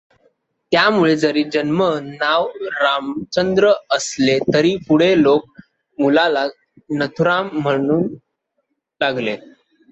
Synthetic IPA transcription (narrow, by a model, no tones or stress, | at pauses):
t̪jamuɭed͡zəɾiːd͡ʑənmənaʋɾamt͡ɕənd̪ɾəəslet̪əɾiːpuɽ̤elok̚ | mulala | nət̪ʰuɾamːəɽ̃uːn | laɡle